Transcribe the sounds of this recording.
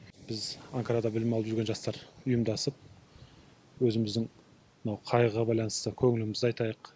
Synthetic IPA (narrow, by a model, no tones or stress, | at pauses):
b̥ɪzɑŋkɑɾad̪ɑbɪlɪmɑlˠəpʒʏɾɡʲe̞nʒɑst̪ɑɾʊjəmd̪ɑsəp̚ | wɵzɪmɪzd̪ɪŋ | mnɑwqʰɑjəʁɑbɑjlˠɑnəst̪əkʲʰɵŋɪlɪmɪzɑjt̪ɑjəq